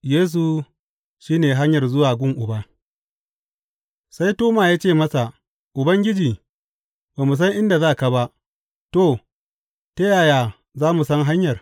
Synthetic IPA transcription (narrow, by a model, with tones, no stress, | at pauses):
jeː˦s̬u˨ | ʃiː˦neː˨ɦa˦ɲjɐ˨rzʊ˦waː˨ɡʷʊ˦ŋʔʊ˨ba˦ | sa˦jtoː˦maː˨jaː˦t͡ʃeː˦˨mɐ˦sa˨ | ʔʊ˨bɐ˦ŋɡʲɪ˦d͡ʒiː˨ | beː˨mu˨s̬ɐ˦ŋʔɪ˦nda˨zaː˦˨ka˨ba˦ʔ | to˦˨ | te˦jaː˨jaː˨ | zaː˦mu˨sɐ˦ŋɦa˦ɲjɐ˨r